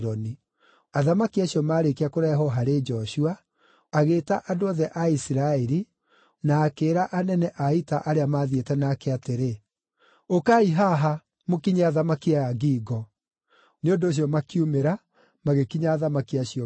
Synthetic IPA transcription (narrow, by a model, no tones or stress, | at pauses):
ɾɔni | aðamakiaɕjɔmaːɾekiakoɾaɛɦɔɦaɾed͡ʒɔɕua | aɣeːtaʔadoɔðɛʔaisiɾaɛɾi | naːkeːɾaʔanɛnɛʔaitaʔaɾeamaːðietɛnaːkɛateɾe | okaiɦaɦa | mokiɲeaðamakiajaɡiːɡɔ | neondoːɕ̬iɔmakiumeɾa | maɣekiɲaːðamakiaɕiɔ